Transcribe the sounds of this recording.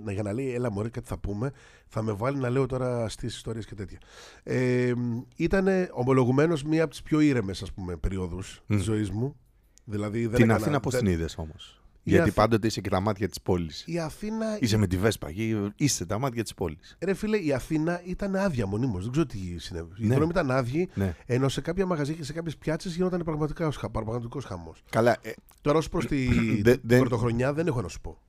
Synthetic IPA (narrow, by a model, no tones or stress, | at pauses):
nɐʝɐnɐleielɐmoɾekɐt̪i̥θɐpume̞ | θɐme̞vɐlinɐle̞o̞t̪o̞ɾɐst̪isi̥st̪o̞ɾiɐscet̪e̞t̪çɐemit̪ɐne̞o̞mo̞lo̞ɣume̞no̞zmiɐpot̪i̥spço̞iɾe̞me̞sɐspume̞peɾio̞ðust̪izːo̞izmu | ðilɐðiðnɐninɐposiniðɐso̞mos | iʝɐtɐipɐnd̪o̞t̪eisecet̪ɐmɐt̪çɐt̪i̥spo̞lisiɐθinɐisemet̪ivespɐ̰ʝiiset̪ɐmɐt̪çɐt̪i̥spo̞lisɾefileiɐθinɐit̪ɐneɐðʝɐmo̞nimozðeɡzeɾot̪isinḛviiɾnomit̪ɐnɐðʝineeno̞se̞kɐpçɐmɐɣɐzɐcesekɐpçespçɐt͡sezʝinot̪̬ɐnepɾɐɣmɐt̪ikɐosxɐpɐɾmɐɣnɐt̪iko̞sxɐmo̞̰skɐlɐe | t̪o̞ɾɐospɾost̪iðbɾot̪oxɾo̞ɲɐðenexonɐsu̥po̞̰